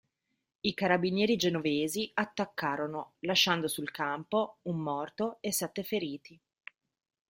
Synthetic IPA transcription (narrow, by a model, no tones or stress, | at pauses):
ikaɾabinjɛːɾid͡ʒenoveːziat̪ːakːaːɾonolaʃːand̪osulkampoumːɔrt̪oesːɛt̪ːefeɾiːt̪i